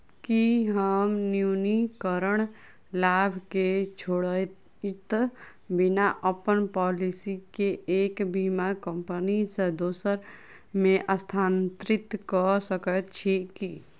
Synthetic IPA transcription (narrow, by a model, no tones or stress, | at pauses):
kiɦəmnjunikəɾəɽ̃ | laːbʱket͡ʃʰoɽə | t̪ | bɪnaʔəpənpɔːlisikeeːkbimakə̃mpənised̪oːsəɾ | mẽʔəst̪ʰaːnt̪ɾɪt̪kɔsəkət̪t͡ʃʰiki